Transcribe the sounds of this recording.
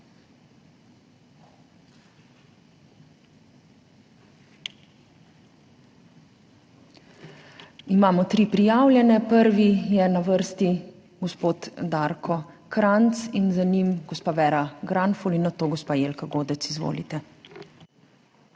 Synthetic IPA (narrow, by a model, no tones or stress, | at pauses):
imaːmɔt̪ɾiːpɾijaːwlʲjɛnɛpəɾʋijɛnaʋəɾst̪i | ɡɔspoːt̪d̪aɾkʰɔ | kɾant̪sinzanimɡɔspaːʋɛːɾaɡɾanfɔlinːat̪oːɡɔspaːjeːlkaɡoːd̪ɛt̪sizʋo̰ːlit̪ɛ